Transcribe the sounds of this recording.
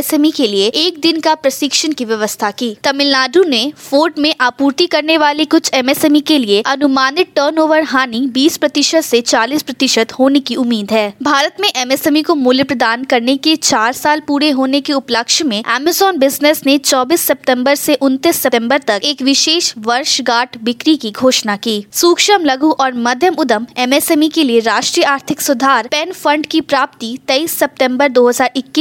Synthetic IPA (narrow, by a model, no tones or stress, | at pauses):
sɛmikelieʔeːk̚d̪ɪnkapɾɐsɪkʃənkiʋjɐʋəst̪ʰakiːt̪ɐmɪlnaːɖũnefoːɾʈmẽʔaːpuːɾt̪ikɐɾneʋaːlekʊt͡ʃʰɛmɛːsɛmikelieɐnʊmaːnɪʈ̚ʈəːɾnoːʋəɾɦaːnibiːspɾɐt̪ɪʃət̪set͡ʃaːliːspɾɐt̪ɪʃət̪hoːnekiʊmːiːd̪ɦɛːbʱaːɾət̪mẽʔɛmɛːsɛmikomʊljəpɾəd̪aːnkɐɾneket͡ʃaːɾsaːlpuːɾeɦoːnekeʊpləkʃmẽɛːməzɔːnbɪznesnet͡ʃɔːbiːsːɐp̚ʈ̪ɛ̃mbəɾseʔʊ̃nt̪isːɐʈɛ̃mbəɾt̪ɐkeːkʋɪʃeːʃʋɐɾʃɡaːʈbɪkɾikiɡʱoːʃnakiːsuːkʃəmlɐɡuʔɔːɾmɐd̪ʱjəmʊd̪əmɛmɛːsɛːmikelieɾaːʃʈɾiːjəaːɾt̪ʰɪksʊd̪ʱaːɾpɛːnfɐ̃ɳɖkipɾaːp̚t̪it̪ɐiːsːɐp̚ʈɛ̃mbəɾd̪oːɦɐzaːɾɪkːi